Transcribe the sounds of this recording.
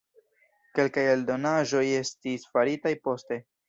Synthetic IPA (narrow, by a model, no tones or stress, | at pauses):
ke̞lkajeldo̞naʒo̞je̞stisfaɾitajpo̞ste̞